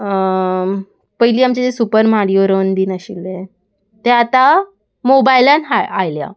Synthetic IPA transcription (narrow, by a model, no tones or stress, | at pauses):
pəjliːamt͡ɕed͡zesupəɾmaɽijoɾənd̪iːnaɕḭlːe | t̪eat̪a | mobailanɦaa̰jlja̰